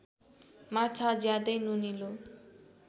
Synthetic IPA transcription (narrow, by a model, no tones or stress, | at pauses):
matʰad͡zjad̪ʌjnunilo